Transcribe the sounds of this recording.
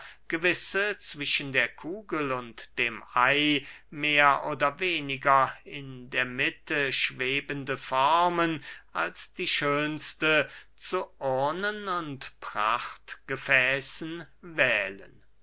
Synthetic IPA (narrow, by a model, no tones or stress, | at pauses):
ɡ̥əvɪsət͡sv̥ɪʃəndeːɐkʰuːɡəlʊntd̥eːmʔaɪmeːɐʔoːdɐveːnɪɡɐɪndeːɐmɪtʰəʃv̥eːbəndəfɔɐmənʔalsd̥iːʃøːnstə | t͡suʔɔɐnənʊntpʁ̥a̰χtɡ̥əfɛːsn̩ | vɛːlə̰n